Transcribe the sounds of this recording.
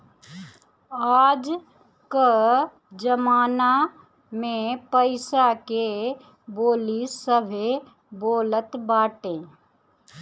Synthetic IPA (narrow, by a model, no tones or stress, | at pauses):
aːd͡ʒ | kə | d͡ʒəmaːna | mẽpəɪsake | boːlisəbʱe | boːlət̪baːʈẽː